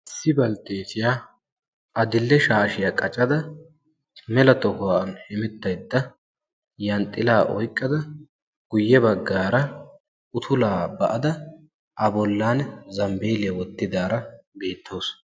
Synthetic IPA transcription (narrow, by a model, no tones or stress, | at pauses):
sɪbɐlt̪ːeːt̪ɪjaː | ʔɐd̪ɪlːɛʃaːʃɪjakʼɐt͡ʃʼːɐd̪ɐ | mɛlɐt̪ɔkʊwanhɪmɪt̪ːɐjd̪ːɐ | jɐnt̪ʼːɪlaːʔɔ̰jkʼːɐd̪ɐ | ɡ̥ʊjːɛbɐɡːaːɾɐ | ʊt̪ʰʊlaːbɐʔɐd̪ɐ | ʔɐbɔlːaːnzɐmbeːlɪjɐwɔt̪ːɪd̪aːɾɐbe̞ːt̪ʰːoːs